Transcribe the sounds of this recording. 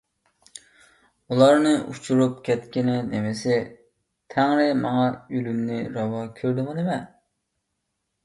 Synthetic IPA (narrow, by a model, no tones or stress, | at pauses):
ulˠɑɾnɨʔut͡ʃʰuɾup̚kʲʰɛt̪kʲinɪnemɪsɪ | t̪ʰɛŋɾɪmɑŋɑylymnɪɾɑwɑkʲʰøɾd̪ɪmɨnɪmɛ